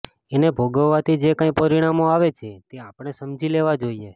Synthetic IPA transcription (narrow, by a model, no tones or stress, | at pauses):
enebʱoɡəʋːat̪ʰid͡ʒekãĩpəɾiɽ̃amoaʋet͡ʃʰet̪eapəɳ̃esəmd͡ʒileʋad͡ʒoie